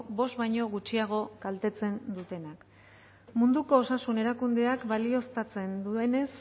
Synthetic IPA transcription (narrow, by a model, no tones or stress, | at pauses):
bo̞st̪βajɲo̞ɣ̞ut͡ʃiaɣ̞o̞kalt̪e̞t͡se̞nd̪ut̪e̞nak | mund̪uko̞ːsasune̞ɾakund̪e̞akβalio̞st̪at͡se̞nd̪ue̞ne̞s